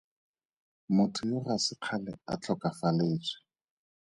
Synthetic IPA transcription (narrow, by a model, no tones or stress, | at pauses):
mʊtʰʊjorasɪq͡χʰalɛ̰a̰t͡ɬʰɔkafaleːt͡sʰʼɪ̥